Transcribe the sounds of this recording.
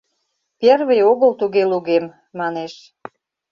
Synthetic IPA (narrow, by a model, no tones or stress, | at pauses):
perβejoɣəlt̪uɣeluɣemː | ɑneʃ